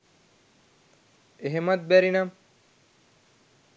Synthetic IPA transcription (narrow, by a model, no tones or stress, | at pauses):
eɦemɐt̪̚bæɾinɐm